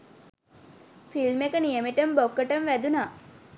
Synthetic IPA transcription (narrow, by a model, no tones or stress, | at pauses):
filmekənijəmiʈəmbokːəʈəmʋæd̪unaː